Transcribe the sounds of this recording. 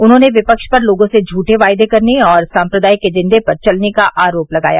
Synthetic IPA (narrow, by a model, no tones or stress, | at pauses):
ʊnɦõːneʋɪpəkʃpɐɾloːɡõsed͡ʒʱuːʈeʋaːɪd̪ekɐɾneɔːɾsãːmpɾəd̪aːiked͡ʒɪ̃nd̪ʱepɐɾt͡ʃɐlnekaʔaːɾoːplɐɡa̰ːja̰ː